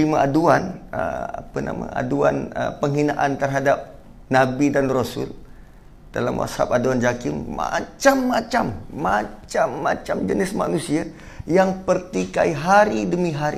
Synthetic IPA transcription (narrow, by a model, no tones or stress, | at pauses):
imaʔaduanəa̰pəna̰ma̰a̰dua̰nə̰pəŋɦinaʔant̪ərɦadap̚ | nabidanrosʊl | d̥ala̰mwa̰sha̰p̚aduand͡ʒakɪmːa̰t͡ʃamːat͡ʃamːat͡ʃamːa̰t͡ʃamd͡ʒənɪsma̰nusia | jaŋpərt̪ika̰iɦaɾidəmĩɦaɾi